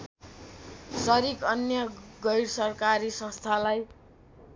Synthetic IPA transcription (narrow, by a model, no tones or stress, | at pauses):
sʌɾikʌnjʌɡʌjɽsʌrkaɾisʌ̃st̪ʰalaj